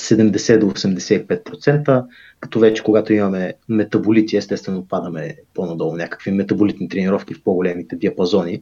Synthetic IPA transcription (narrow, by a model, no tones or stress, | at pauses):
sɛd̪ɛmd̪ɛsɛd̪oːsɛmd̪ɛsɛipɛt̪̚pɾot̪sɛnt̪ə | kɐ̥t̪ɔvɛt͡ʃɛ̥koɡat̪oimɐmɛmɛt̪ɐbolit̪iɛst̪ɛtst̪vɛnopad̪əmɛponɐd̪ɔlˠonʲakə̥kvimɛt̪ɐbolit̪nit̪ɾɛniɾɔfk̟ifpoɡolɛmit̪ɛd̪iɐpɐzɔni